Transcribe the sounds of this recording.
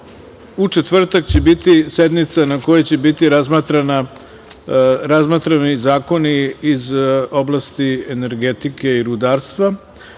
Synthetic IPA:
ut͡ʂet̪ʋr̩t̪akt͡ɕe̞bit̪ise̞d̪mit̪sanako̞jet͡ɕe̞bit̪iɾazmat̪ɾana | ɾazmat̪ɾanizaːko̞niːzo̞blˠast̪iene̞ɾɡet̪ike̞iɾud̪aːɾst̪ʋa

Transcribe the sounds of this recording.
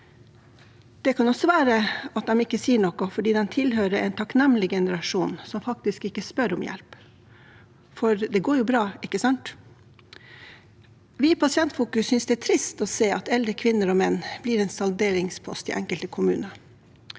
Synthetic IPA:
d̪̥ɛkʰɑnɔsɔʋæːɾəɑt̪̚d̪ɛmɪkːəsiːəɳɔkɔfɔɖiːd̪ɛnt̪ʰɪlɦøːɾəʔɛ̰ɪnt̪ʰɑknɛmlɪɡɛnəɾɑʂuːnsɔmfɑk̚t̪ɪskɪkːəspœɾɔmjɛ̰lp | fɔɾd̪ɛɡoːjʊbɾɑːɪkːəsɑnt̪ | ʋɪpʰɑsɪɛnt̪fuːkʉssːʏnsd̪ɛæt̪ʰɾɪst̪ɔseːɑt̪ɛld̪ɾəkʰʋɪnːəɾɔːmɛnːb̥liːɾɛːnsɑld̪eːɾɪŋspʰɔ̰st̪ɪ̰ʔɛŋkəlt̪əkʰʊmʉ̰ːnə

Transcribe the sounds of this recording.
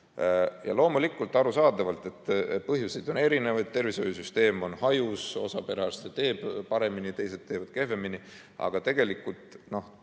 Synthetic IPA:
jɑ̰lo̞ːmulikːˑult̪ːˑɑɾusɑːd̪ɑvɑlt̪ˑe̞t̪ːpɤɦjusejd̪̥o̞ne̞ɾine̞vɑjd̪̥̚t̪e̞rviso̞jusyst̪e̞ːmo̞nhɑjuso̞̰sɑpe̞ɾɑsset̪e̞ːb̥pɑɾe̞minit̪e̞jse̞dt̪ːeːvɑd̪̥ke̞hve̞mini | ɑ̰ɡ̥ɑt̪e̞ɡ̥e̞likːˑult̪ˑno̞h

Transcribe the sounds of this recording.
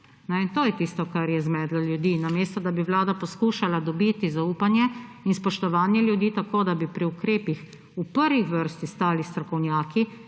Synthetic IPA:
nɛint̪oːjɛt̪ist̪ɔkaɾjɛzmɛːd̪lɔljud̪iːnameːst̪ɔd̪abiʋlaːd̪apɔskuːʃalad̪ɔbiːt̪izauːpanjɛinspɔʃt̪ɔʋaːnjɛljud̪iːt̪akoːd̪abipɾiukɾeːpix | upəɾʋixʋəɾst̪ist̪aːlist̪ɾɔkɔwnjaːki

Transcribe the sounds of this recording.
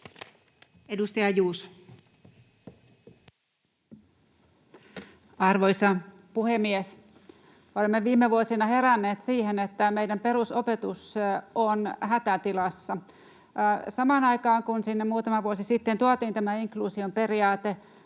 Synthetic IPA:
edust̪ɑjɑjuːs | ɑrʋoisɑ | puhemːies | olemːeʋiːmːeʋuosinɑheɾænːeːt̪siːhenet̪ːæmeijdæmpeɾusopet̪usonɦæt̪æt̪ilɑsːɑ | sɑmɑːnɑikɑːŋkunsinːemuːt̪ɑmɑʋuosisit̪ːent̪uɑt̪iːnt̪æmæiŋkluːsiompe̞riɑːt̪e

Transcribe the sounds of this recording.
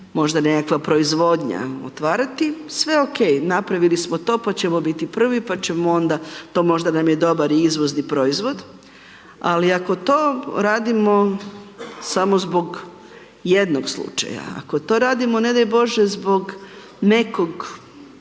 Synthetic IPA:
mo̞ʒd̪ane̞kakʋapɾo̞izʋo̞d̪ɲa̰o̰t̪ʋaːɾat̪isʋe̞oke̞jnapɾaʋilismot̪o̞ːpat͡ɕe̞mo̞bit̪ipr̩ʋipat͡ɕe̞moo̞nd̪at̪o̞ːmo̞ʒd̪anamje̞d̪o̞baɾiizʋo̞znipɾo̞izʋo̞d̪ | a̰liako̞t̪o̞ːɾaːd̪imo̞ | samozbo̞ɡ | jed̪noɡslˠṵt͡ʃa̰ja̰a̰kot̪o̞ɾaːd̪imo̞ne̞d̪ajbo̞ʒezbo̞ɡ | ne̞ko̞ɡ

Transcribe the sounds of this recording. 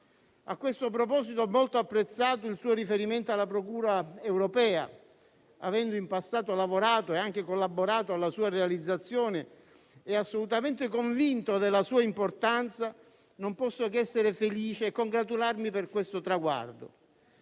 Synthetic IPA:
akːwest̪op̬ɾɔpɔːsit̪oɛmːɔlt̪oapːɾet̪sːaːt̪oilsuːoɾifeɾiment̪oalːapɾokuːɾaɛwɾopɛːa̰ | avɛnd̪ʊimpasːaːt̪olavoɾaːt̪oeaŋk̟ɪkolːabːoɾaːt̪oalːasuːarealid̪zːat̪sːjoːnɪ | ɛasːolut̪ament̪ɪkoɱvint̪od̪elːasuːaimport̪ant̪sa | nompɔsːokɛsːeɾɪfeliːt͡ʃeɛkːoŋɡɾat̪ularmipɪrkwest̪ot̪ɾaɡwa̰rd̪o̰

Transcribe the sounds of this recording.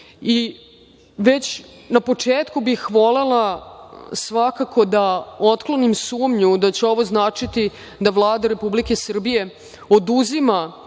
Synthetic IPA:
i | ʋe̞t͡ɕ | napo̞t͡ʂeːt̪kubixʋo̞lela | sʋakakʰo̞d̪ao̞t̪klˠo̞nimsuːmɲud̪at͡ɕeo̞ʋo̞znaːt͡ʂit̪i | d̪avlˠaːd̪aɾe̞publike̞sr̩bije̞ | od̪uzima

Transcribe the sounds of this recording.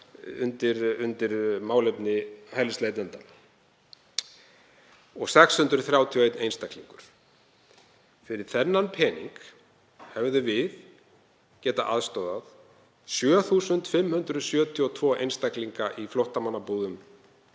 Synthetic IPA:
ʏ̰nt̪ɪɾʏnt̪ɪɾmaːwlɛpnɪhɛlɪst̪eːjt̪lɛnt̪a | ɔɣsɛkshʏnt̪ɾʏθɾjaːwt̪ʰiɔejt̪nejnst̪ajkliŋkʏɾ̥ | fɪɾɪɾ̥θɛnːanpʰɛːnḭŋk | hɛvðʏvɪð | cɛːt̪aʔa̰ðst̪owðað | sjœːθusʏnt̪fɪmːhʏnt̪ɾʏðsjœːt̪ʰiɔt̪ʰvɔːejnst̪akliŋkaʔiflowht̪amanːapuːðʏm

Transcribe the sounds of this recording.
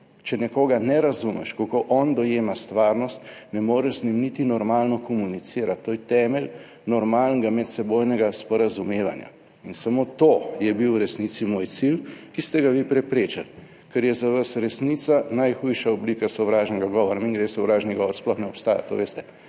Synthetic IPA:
t͡ʃɛnɛkoːɡanɛɾazumɛ̰ʃkokoʔɔnd̪ɔjeːmast̪ʋaːɾnɔst̪nɛmoːɾɛʒznimnit̪inɔɾmaːlnɔkɔmunit̪siːɾat̪ːoːjɛt̪ɛːmɛl | nɔɾmalnɛɡamɛt̪sɛbojnɛɡaspɔɾazumeːʋa̰nja̰ | insamot̪ojɛbiwɾɛsnit̪simoːjt̪silkist̪ɛɡaʋipɾɛpɾeːt͡ʃal | kɛɾjɛzaʋasɾɛsniːt̪sanajxujʃaɔblikasɔʋɾaːʒnɛɡaɡɔʋɔɾamiŋɡɾesɔwɾaːʒniɡɔʋɔɾsplɔxnɛɔpst̪aːja̰t̪oːʋest̪ɛ̥

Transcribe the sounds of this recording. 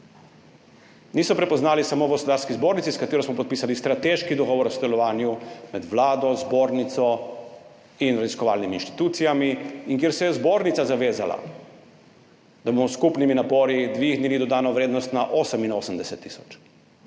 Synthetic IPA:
niːsɔpɾɛpɔznaːlisamoːwɡɔspɔd̪aɾskizboːɾnit̪siskat̪eːɾɔsmɔpɔt̪̚piːsalist̪ɾat̪eʃkid̪ɔɡɔːʋɔɾɔsɔd̪ɛlɔʋaːnjumɛd̪ʋlaːd̪ɔzboːɾnit̪sɔ | inɾaziskɔʋaːlniminʃt̪i̥t̪uːt̪sijamiiŋkjeɾsɛjɛzboːɾnit̪sazaʋeːza̰la̰ | d̪abomɔskupniminapɔːɾid̪ʋiɣnilid̪ɔd̪aːnɔʋɾeːd̪nɔst̪naʔoːsəminoːsəmd̪ɛsɛt̪ːisɔ̥t͡ʃ

